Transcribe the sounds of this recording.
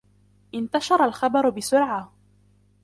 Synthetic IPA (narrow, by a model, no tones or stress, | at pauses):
ʔɪnt̪aʃɑɾˤɑlxɑbɑɾˤʊbɪsʊɾʕa